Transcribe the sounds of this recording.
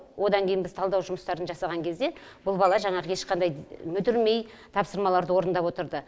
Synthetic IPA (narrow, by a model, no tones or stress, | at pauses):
wʔo̞d̪ɑŋkʲʰejɪnbɪzt̪ʰɑlˠd̪ɑwʒʊməst̪ɑɾənʒɑsɑʁɑŋkʲʰe̞zd̪e̞b̥ʊlˠbɑlˠɑʒɑɴɑʁəe̞ʃqɑnd̪ɑjmʏd̪ɪɾme̞j | t̪ʰɑpsəɾmɑlˠɑɾd̪əwo̞ɾənd̪ɑpwo̞t̪əɾd̪ə